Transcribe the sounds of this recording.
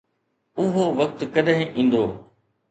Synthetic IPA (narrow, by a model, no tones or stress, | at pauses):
ʊɦoʋɐk̚t̪kɐɗɦɪ̃ʔĩːn̆d̪oː